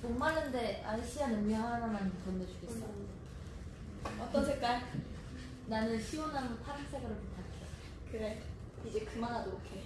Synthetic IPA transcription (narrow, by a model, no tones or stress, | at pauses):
moŋmaɭːɯnde̞aɭɕʰianɯmjʌŋɦanamanɯkʌnːed͡ʑuɡe̞ss͈ | ʌt͈ʌsʰek͈a | nanɯnɕʰiwonɦanɯntʰaɾansʰe̞ɡɯɾoɭputʰakʰeo | kɯɾe̞ | id͡ʑekɯmanɦadokʰe